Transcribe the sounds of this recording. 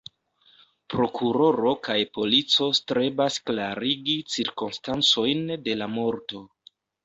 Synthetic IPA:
pɾo̞kʰuɾo̞ɾo̞kajpo̞lit͡so̞stɾe̞basklaɾiɡit͡siɾkonstant͡so̞jnde̞lamo̞ɾto̞

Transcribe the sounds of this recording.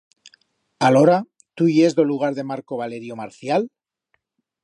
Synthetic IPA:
alo̞ɾa | t̪ujezðo̞luɣ̞aɾðe̞maɾko̞βale̞ɾjo̞maɾθjal

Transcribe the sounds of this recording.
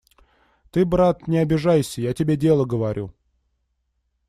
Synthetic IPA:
t̪ɨbɾat̪nʲɪɐbʲɪʐajsʲəjatʲɪbʲedʲe̞lˠəɡəvaɾʲʔu

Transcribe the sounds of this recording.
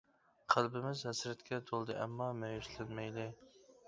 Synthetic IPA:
qʰælˠbɪmɪzhæsɾɛt̪kʲɛt̪ʰolˠd̪ɨʔɛmːɑmɛjyʃlɪnmɛjlɪ

